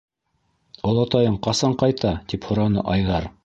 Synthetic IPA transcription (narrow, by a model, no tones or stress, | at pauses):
ŏlˠɑt̪ɑjɤɴqɑsɑɴqɑjt̪ɑt̪iphŏɾɑnɤ̰ʔɑjðɑɾ